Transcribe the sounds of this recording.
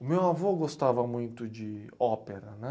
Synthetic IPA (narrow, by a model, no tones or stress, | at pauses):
ʊmewavoɡost̪avɐmũj̃t̪ʊd͡ʒɪ | ɔpeɾɐnɛ